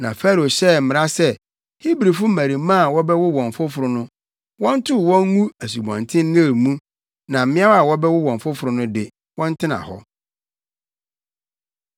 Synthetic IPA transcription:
nã˨fa˦ɾo˨ɕɛ˦˨m̩˦mɪ̃˨ɾa˦sɛ˦ | hi˦bɾi˨fʊ˦mæ˨ɾĩ˨mã˦a˨wɔ˦bɛ˦wʊ˦wɔ̃˨ɱ˨fʊ˦fʊ˨ɾʊ˦nʊ̃˦ | wɔ̃˦n˦tʰʊ˦˨wɔ̃˦ŋŋũ˦æ˨s̬u˨bɔ̰̃˨ntʰɪ̃˦nː˦e˦˨ɾmũ˦ | nã˨m̩˦mɪ̃˦a˦a˨wɔ˦bɛ˦wʊ˦wɔ̃˨ɱ˨fʊ˦fʊ˨ɾʊ˦nʊ̃˦dɪ˨ | wɔ̃˦n˦tʰɪ˦nã̰˨hɔ̰˦

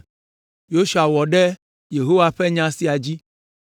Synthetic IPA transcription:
jo˦ʃu˨a˨wɔ˨ɖɛ˦ | je˨ɦo˦wa˨ɸɛ˦ɲã˦si˦a˨d͡ʑi˦

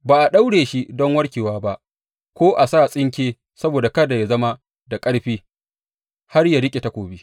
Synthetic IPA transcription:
baː˨ʔa˨ɗa˦wɽeː˨ʃi˦dɔ˦ŋwɐ˦rkʲeː˨waː˦ba˦ʔ | kʷoː˦ʔa˨saː˦sʼɪ˦ŋkʲeː˦ | sɐ˦boː˨da˨kɐ˦da˨ja˦zɐ˦ma˦ | da˨kʼɐ˦ɽɸiː˦ | ha˦rjaː˨ɽɪ˦kʲʼe˨ta˦kʷoː˨biː˦

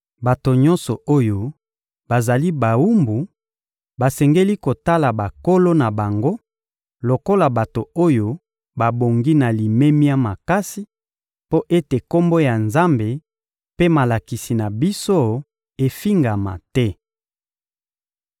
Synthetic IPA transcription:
ba˨to˨ɲɔ˦nsɔ˨o˦jo˨ | ba˨za˨li˦ba˨wu˦mbu˨ | ba˨sɛ˨ŋɡe˦li˦ko˨ta˦la˨ba˨ko˦lo˦na˨ba˨ŋɡo˦ | lo˨ko˦la˨ba˨to˨o˦jo˦ | ba˨bo˨ŋɡi˦na˨li˨me˦mi˦a˦ma˨ka˦si˦ | po˦ʔe˦te˨ko˦mbo˦ja˨nza˦mbe˨ | pe˦ma˨la˨ki˨si˨na˨bi˦so˦ | e˨fi˦ŋɡa˨ma̰˨tɛ˦

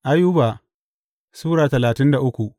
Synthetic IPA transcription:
ʔa˦jʊ˦ba˨ | suː˦ɽaː˨tɐ˨laː˨tɪ˦nda˨ʔʊ˦kʷu˨ʔ

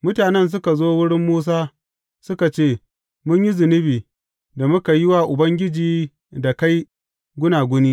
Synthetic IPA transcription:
mʊ˦taː˨nɛ˦ns̬ʊ˦ka˨zoː˦wʊ˦ɽɪ˦mːuː˦s̬aː˦ | sʊ˦ka˨t͡ʃeː˦˨ | mʊ˦ɲji˦zɪ˨nɪ˦biː˨ | da˨mʊ˦ka˨jɪ˦wa˦˨ʔʊ˨bɐ˦ŋɡʲɪ˦d͡ʒiː˨ | da˨ka˦j | ɡʷʊ˦naː˨ɡʷʊ˦niː˦

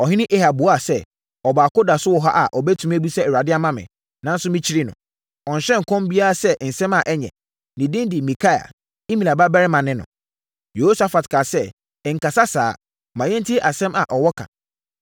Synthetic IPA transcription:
ɔ˨ɦɪ˦nɪ̃˦ʔe˦ha˨bʊ˨˦a˨sɛ˦ | ɔ˨baː˨ko˦da˨sʊ˦wɔ˨ɦa̰˦ʔa˨ʔɔ˨bɛ˦tʰũ˨m˦æ˦bi˦sɛ˦ɛ˨ɾa˨dɪ˦a˦mã˦mɪ̰̃˨ | nã˦n̩˦sʊ˦mɪ̃˦t͡ɕʰi˦ɾi˦nʊ̰̃˨ | ɔ̃˨n̩˨ɕɛ̃˦ŋ̩˨kʰɔ̃˦mbi˦a˦ɾa˨sɛ˦n̩˨sɛ̃˦ma˨ʔɛ˦ɲɛ̰̃˨ | nɪ̃˨dɪ̃˦ndɪ˨mĩ˨kʰa˦ja̰˨ | i˦mĩ˨la˨ba˦bɛ˦ɾɪ˦mã˨nɪ̃˦nʊ̰̃˨ | jo˨ho˦sa˨fa˨tkʰa˨sɛ˦˨ | ŋ̩˨ka˨sa˦saː˦ | mã˨ɲɛ̃˦n̩˦tʰɪ˦ʔa˨sɛ̃˦ma̰˨ʔɔ˨wɔ˦kʰã̰˨

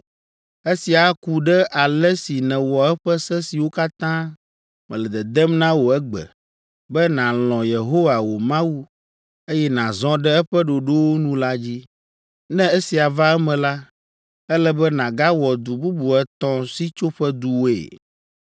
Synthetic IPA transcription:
e˦si˨a˨˦ku˨ɖɛ˦ʔa˨lɛ˦si˨nɛ̃˨wɔ˨ɛ˦ɸɛ˦sɛ˦si˨wo˦ka˦t̪ã˦ | mɛ̃˨lɛ˨d̪ɛ˨d̪ɛ˦mnã˦wo˨ɛ˦ɡ͡bɛ̰˨ | bɛ˦nã˨l̃ɔ̃˨je˨ɦo˦wa˨wo˨mã˦wu˦ | e˦jɛ˦nã˨zɔ̃˦ɖɛ˦ɛ˦ɸɛ˦ɖo˨ɖo˦wo˦nũ˦la˦d͡ʑi˦ | nɛ̃˦e˦si˨a˨va˦ɛ˦mɛ̃˨la˦ | ɛ˦lɛ˦bɛ˦nã˨ɡa˦wɔ˨d̪u˨bu˦bu˨ɛ˦t̪ɔ̃˦si˦t͡ʃo˦ɸɛ˦d̪u˦wo˦ḛ˨

